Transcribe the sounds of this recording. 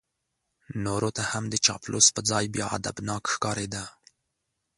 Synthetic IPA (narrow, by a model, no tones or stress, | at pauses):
noːɾoːt̪ahamd̪ət͡ʃɑ̰ːplʔo̰spəd͡zɑːjbjɑa̰d̪a̰bnɑːkxkɑːɾeːd̪a